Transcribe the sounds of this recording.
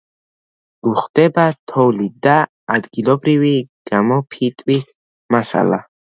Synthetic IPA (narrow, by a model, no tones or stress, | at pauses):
uχd̪̥ɛbat̪ʰɔwlid̪aː | d̪ɡilɔbɾiviɡ̥amɔpʰit̪ʼwis | masa̰la̰